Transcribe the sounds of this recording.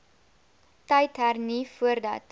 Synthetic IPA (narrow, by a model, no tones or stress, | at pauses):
təjtɦærnifuərdɐ̰t